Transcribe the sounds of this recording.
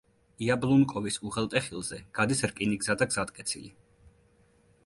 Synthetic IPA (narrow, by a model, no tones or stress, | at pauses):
iablˠunkʼɔvisuʁɛlˠt̪ʼɛχilˠzɛɡ̥ad̪isɾkʼiniɡzad̪aɡz̥at̪kʼɛt̪sʰḭli